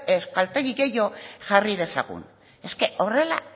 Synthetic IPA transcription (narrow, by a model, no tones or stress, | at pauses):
espalt̪eɣiɣe̞jo̞ʝarið̞e̞sa̰ɣṵn | e̞ske̞o̞re̞la̰